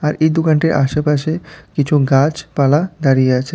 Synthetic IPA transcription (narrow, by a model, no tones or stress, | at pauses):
aɾejd̪okaɳʈeɾʔa̰ʃepaʃekit͡ɕʰuɡãt͡ɕpalad̪aɾijeat͡ɕʰe